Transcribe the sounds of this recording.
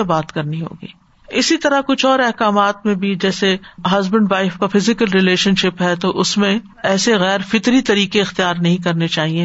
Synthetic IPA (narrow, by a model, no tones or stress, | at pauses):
ebaːt̪kɐɾniɦo̰ːɡḭː | ɪsit̪ɐɾakʊt͡ʃʰɔːɾɛɦkaːmaːt̪̚mẽbʱid͡ʒɛːseɦɐzbə̃ɳɖʋaːɪfkafɪzɪkəlɾɪleːʃənʃɪpɦɛt̪oʔʊsmẽ | ɛːseɣɛːɾfɪt̪ɾit̪ɐɾiːkeɪxt̪ijaːɾnɐɦĩkɐɾnet͡ʃaːɦie